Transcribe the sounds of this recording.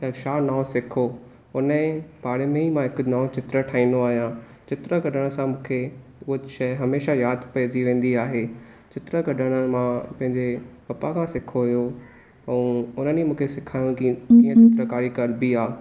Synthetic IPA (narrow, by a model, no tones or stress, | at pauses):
kɐɾʃaːnãːsɪkʰo | ʊnəẽbaːɽemẽimãɦɪkʊ̆naːʊ̃t͡ɕɪt̪ɾəʈʰaːĩːnd̪oaːɦijã | t͡ɕɪt̪ɾəɡɐɖʱəɽ̃ə̆sãmũːkʰeʊɦoʃɐɦɐmeːʃajaːd̪ʱpɐd͡ʑiʋẽːn̆d̪iaːɦe | t͡ɕɪt̪ɾəɡɐɖʱəɽ̃əmãpɐ̃ɦɪ̃ɲd͡ʑepɐpakʰãsɪkʰoɦjo | ɛ̃ːʊn̤ənimũːkʰesɪkʰaːjũkikĩːə̃t͡ɕɪt̪ɾəkaːɾikɐɾbiaː